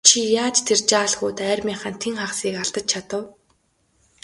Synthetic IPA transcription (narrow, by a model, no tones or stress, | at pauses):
t͡ɕʰijaːt͡ɕt̪ʰert͡ɕaːɮxuːt̪æːrʲmʲiːɴχaːnt̪ʰeŋχawsiːkaɮt̪ə̆t͡ɕ̚t͡ɕʰat̪ə̆w